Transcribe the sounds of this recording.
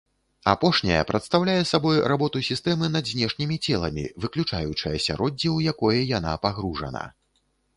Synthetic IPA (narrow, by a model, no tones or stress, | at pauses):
apɔʂnʲɐjɐ̰pɾɐt̪st̪awlʲajɛsabɔjrabɔt̪usʲist̪ɛmɨnɐd̪zʲnʲɛʂnʲimʲit͡sʲɛlˠɐmʲḭvɨklʲut͡ʂajut͡ʂɐjɐsʲa̰ɾɔd͡zʲːiwjakɔjɛjanapaɣɾuʐɐ̰nɐ̰